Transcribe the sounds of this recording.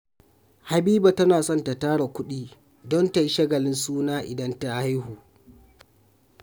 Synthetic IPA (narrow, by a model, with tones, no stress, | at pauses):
ha˨biː˦ba˨tɐ˦naː˨sɔ˦˨nta˨taː˦ɽa˨kʷʊ˦ɗiː˦ | dɔ˦nta˨ji˦ʃɐ˦ɡɐ˨lɪ˦nsuː˦naː˦ʔɪ˨dɐ˦nta˦ha˦jhuː˨